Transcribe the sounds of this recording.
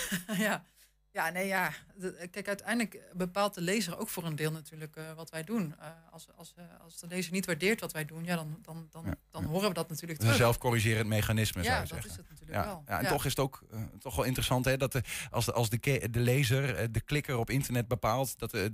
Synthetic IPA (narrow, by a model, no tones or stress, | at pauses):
ja | jaːnejjaːkɛjkœtɛjndələkbəpaːlˠt̚dəlejzəro̰wkfʊːrəndɪːlˠnatyːɹləkʋɑtʋɛjdunɑɑlˠsɑlˠsdəlejzəɹnitʋaɹdɪːɹtʋɑtʋɛjdunjaːdɑndɑndɑnd̥ɑɦoːrəʋədɑtnatyːɹləkəzɛlˠfkɔriʒɪːɾəntmejχanɪsməaəzɛ̰χɪsətnatyːləa̰ɛlˠja̰ɛ̰ntɔχɪsətowktɔχʋɛlˠɪntərəsɑntɦɛdɑtəsɑlˠzdəkedəlejzərdəklɪkərɔpɪntəɹnɛd̚bəpaːlˠtdɑt